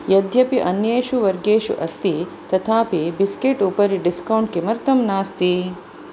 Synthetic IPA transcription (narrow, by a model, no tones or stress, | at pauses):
jɐd̪ʱjɐpiʔɐnjeːʃuʋɐɾɡeːʃṵʔɐst̪it̪ɐt̪ʰaːpibiskeʈupɐɾiɖiskɐwɳʈ̚kemɐɾt̪ɐmnaːst̪i